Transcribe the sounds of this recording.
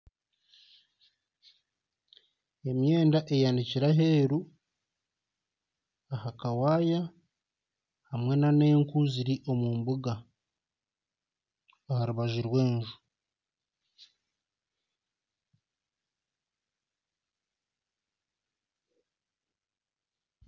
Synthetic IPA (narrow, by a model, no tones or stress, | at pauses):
e̞mjeːndaʔe̞jandiciɾaɦe̞ːɾu | ahakawaːja | hamwe̞nane̞ːŋkuziɾiʔo̞muːmbuɡa | haɾuβaʒiɾwe̞ːɲʒu